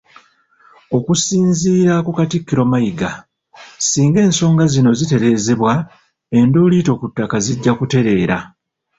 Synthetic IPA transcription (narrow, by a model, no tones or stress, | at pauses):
o̞kusiːnziːɾakukatikːiɾo̞majiɡa | siːŋɡe̞ːnso̞ːŋɡazino̞zite̞ɾe̞ːze̞βwa | e̞nduːlito̞kutːakaziɟːakute̞ɾe̞ːɾa̰